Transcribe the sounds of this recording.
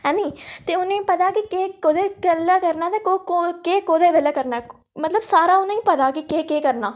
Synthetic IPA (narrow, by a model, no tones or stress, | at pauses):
ɛ̃ːniːt̪eːʊnẽpət̪aːkikeːkod̪eːkəlaːkəɾnaːt̪eːkokokeːkoːd̪eːʋelaːkəɾnaɛ | mət̪ləbsaːɾaːʊnẽːĩːpət̪aːkikeːkeːkəɾnaː